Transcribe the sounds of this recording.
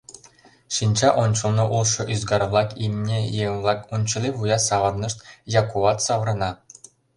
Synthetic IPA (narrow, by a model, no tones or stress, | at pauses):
ɕinʲd͡ʑɑʔont͡ɕɤlˠnɤ̆ʔulˠʂɤ̆ʔyzɡɑɾvlˠɑkimʲnʲejelˠɑkunʲt͡ɕɤ̆lʲivujɑsɑʁɤ̆rnɤ̆ʂt̪jɑkuʋɑt̪sɑʋrɤ̆nɑ